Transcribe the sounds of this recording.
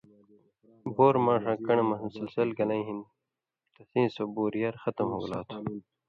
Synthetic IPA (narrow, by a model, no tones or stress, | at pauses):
boːɾmãːʂãːkɐɳemɐssilsɐlɡɐlɐ̃ĩɦin | t̪ɐsĩːsoboːɾijɐɾxɐt̪ɐmɦoːɡla̰ːt̪ʰu̥